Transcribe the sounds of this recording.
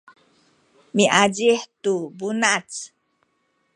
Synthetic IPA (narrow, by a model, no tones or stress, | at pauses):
miʔaɟiħtubunat͡s